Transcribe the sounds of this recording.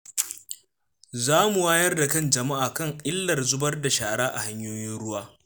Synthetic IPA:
zaː˦mu˨waː˦jɐ˦rda˨kɐ˦nd͡ʒɐ˨ma˦ʔaː˨kɐ˦˨ŋʔɪ˦lːɐ˨rzʊ˦bɐ˦rda˨ʃaː˨ɽaː˦ʔa˨ha˦ɲjoː˦jɪ˦nɽʊ˦waː˦

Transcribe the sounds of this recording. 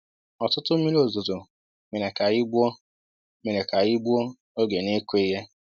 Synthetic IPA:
ɔ˨tʊ˦tʊ˦mi˦lo˨zʊ˨zo˨ | me˨ɾe˨ka˨ɣɪ˦ɡ͡bʷɔ˦ | me˨ɾe˨ka˨ɣɪ˦ɡ͡bu˦ɔ˦ | o˦ɡe˨ne˦kʷe˦i˦ɦe˦

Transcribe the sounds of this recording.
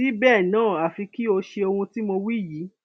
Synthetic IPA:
i˦bɛː˦˨nãː˦˨a˨fi˧ki˦o˧ʃe˧o˧hũ˧ti˦mo˧wi˦˨ji˨˦

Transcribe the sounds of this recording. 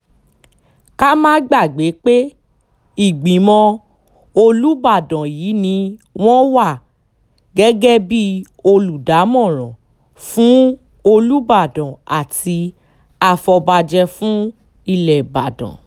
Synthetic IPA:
ka˦mãː˦ɡ͡ba˦˨ɡ͡be˨˦k͡pe˦ | i˦˨ɡ͡bĩ˨mɔ̃˧ | o˧lu˦ba˦˨dɔ̃˨jiː˨˦nĩ˧w̃ɔ̃˦wa˦˨ | ɡɛ˦ɡɛ˦bi˦ | o˧lu˨da˨˦mɔ̃˦˨ɾ̃ɔ̃˨ | fũ˦ | o˧lu˦ba˦˨dɔ̃˨a̰˨ti˧ | a˧fɔ˧ba˧d͡ʒɛ˧fũ˦ | i˦˨lɛ˨ba˨dɔ̰̃˨

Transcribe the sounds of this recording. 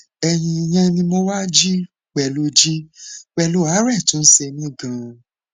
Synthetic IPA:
ɛ˧j̃ĩ˧i˧j̃ɛ̃˧nĩ˧mo˦wa˦d͡ʒi˦ | k͡pɛ˧˨lo˧˦d͡ʒi˦k͡pɛ˧lo˦a˨˦ɾɛ˦˨tũ˨˦n̩˦se˧nĩ˦˨ɡã˨˧

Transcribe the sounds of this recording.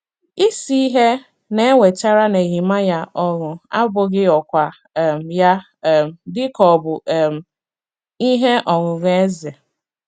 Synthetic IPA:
i˦si˦i˦ɦe˦ | ne˦e˦wʷe˨t͡ʃa˦ɾa˦ne˨ɣi˨ma˦ja˦ʔɔ˦ɣʊ˨a̰˦bʊ˦ɡɪ˦ɔ˨kʷa˨ | m˨ja˦˨ | m˨dɪ˦kɔ˨bʊ˨m˨ | i˦ɦe˦ʔɔ˨ɣʊ˨ɣe˦e˦ze˨

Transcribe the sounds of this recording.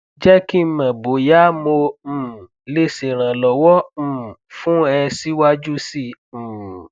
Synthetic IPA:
d͡ʒɛ˦ki˦˨˦mã˨bo˨ja˦mõ˧˦˨ | le˦se˨ɾ̃ã˨lɔ˨wɔ̃˦˨fũ˦ɛ˧si˦wa˦d͡ʒu˦sĩ˦˨

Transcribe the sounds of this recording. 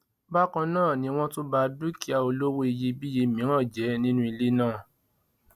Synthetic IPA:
ba˦kã˧nãː˦˨nĩ˧w̃ɔ̃˦to˦ba˧du˦ki˦a˧o˧lo˦wo˦i˧je˧bi˦je˧˨mĩ˨˦ã˦˨d͡ʒɛ˨˦nĩ˦nũ˦i˧le˦nãː˦˨

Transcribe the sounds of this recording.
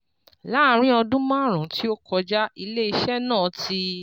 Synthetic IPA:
la˦˨˦ɾ̃ĩ˦ɔ˧dũ˦mãː˦˨ɾ̃ã˨˦ti˦o˦kɔ˧d͡ʒa˦i˧le˦i˧ʃɛ˦˨nãː˦˨ti˧

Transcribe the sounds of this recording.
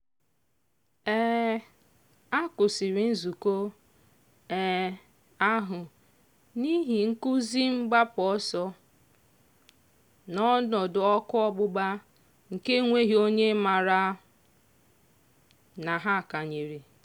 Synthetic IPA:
ɛː˦ | a˦kʊ˨si˨ɾi˨n̩˦zu˨ko˦ | ɛ˨ | a˦ɦʊ˨ | ni˦ɦi˨ŋ̩˦ku˦zi˦ŋ͡m̩˦ɡ͡ba˦pʊ˨ɔ˦sɔ˦ | nɔ˦nɔ˨dʊ˨ɔ˦kʊ˦ɔ˦ɡ͡bʊ˦ɡ͡ba˦ | ŋ̩˨ke˦ŋʷe˦ɦi˦o˦ɲe˦ma˨ɾa˦ | na˨ɦa˦˨ka˨ɲe˨ɾi˨

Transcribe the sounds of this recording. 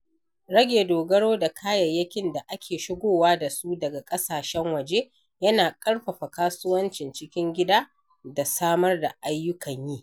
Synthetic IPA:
ɽɐ˦ɡʲeː˨doː˨ɡɐ˦ɽoː˦da˨kʰaː˦jɐ˨jːɐ˦kʲɪ˦nda˨ʔa˦kʲeː˨ʃɪ˦ɡʷoː˦waː˦da˨su˦dɐ˨ɡa˨kʼɐ˦saː˨ʃɛ˦ŋwɐ˨d͡ʒe˦ | jɐ˦naː˨kʼɐ˦ɽɸɐ˨ɸa˨kaː˦sʊ˦wɐ˦nt͡ʃɪ˨nt͡ʃɪ˦kʲɪ˦ŋɡʲɪ˦daː˦ | da˨saː˦mɐ˦rda˨ʔa˦jːʊ˦kɐ˨ɲjiː˦

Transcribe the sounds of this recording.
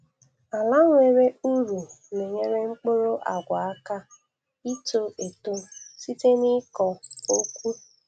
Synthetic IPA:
a˨la˦ŋʷ˦e˨ɾe˦u˦ɾu˨ | ne˨ɲe˦ɾe˦ŋ͡m̩˦k͡po˦ɾo˦ʔa̰˨ɡʷa˨a˦ka˦ | i˦to˦ʔe˨to˦si˦te˦ni˦kɔ˨o˦kʷu˦

